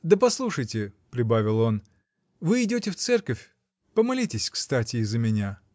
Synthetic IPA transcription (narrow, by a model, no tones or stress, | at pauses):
d̪əpɐslˠuʂəjtʲɪpɾʲɪbavʲɪlˠo̞n | vɨɪdʲotʲɪft̪sɛrkəfʲ | pəmɐlʲitʲɪsʲkst̪atʲɪːzːəmʲɪnʲa